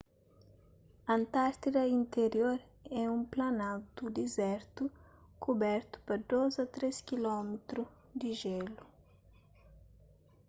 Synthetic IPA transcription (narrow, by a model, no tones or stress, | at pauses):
ɐ̃nt̪aɾt̪idɐĩnt̪eɾjoɾ | ɛũmplɐnawt̪ud̪ezɛɾt̪ukubɛɾt̪u̥pɐd̪ozɐt̪ɾeskilɔmet̪ɾu | d̪iʒelu